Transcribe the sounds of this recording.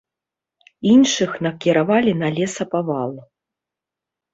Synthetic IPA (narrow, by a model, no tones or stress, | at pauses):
inʂɨxnɐkʲiɾavalʲinalʲɛsɐpavalˠ